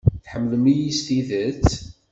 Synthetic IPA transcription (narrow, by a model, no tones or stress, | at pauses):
θħəmːələmijist̪iðət͡s